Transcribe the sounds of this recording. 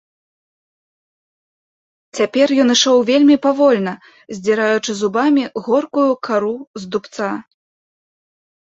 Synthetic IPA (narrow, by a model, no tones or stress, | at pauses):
t͡sʲapʲɛrjɔnɨʂɔwvʲelʲmʲipavɔlʲnɐ | zʲd͡zʲɛɾajut͡ʂɨzubamʲiɣɔrkujukaɾuzd̪upt̪sa